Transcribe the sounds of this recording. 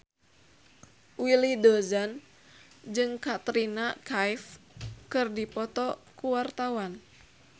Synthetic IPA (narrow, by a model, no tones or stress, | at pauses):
wilidɔzan | d͡ʒɨŋkat̪ɾinakajfkɨrdipɔt̪ɔkuwart̪awan